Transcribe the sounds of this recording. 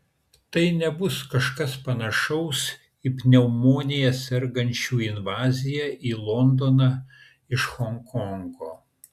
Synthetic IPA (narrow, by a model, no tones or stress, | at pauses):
t̪ɐɪnʲɛbʊskɐʃkɐspɐnɐʃɐʊs | ipʲnʲɛʊmoːnʲɪjɛsʲɛɾɡɐnʲt͡ʃʲuːɪnʋɑːzʲɪjæːʔiːlˠɔnd̪oːnɑː | ɪʃxɔŋkɔŋɡoː